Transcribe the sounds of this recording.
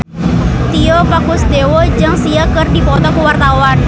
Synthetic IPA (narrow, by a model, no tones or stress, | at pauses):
t̪iɔpakʊsdewɔd͡ʒaŋsiakərdipɔt̪ɔkuwart̪awan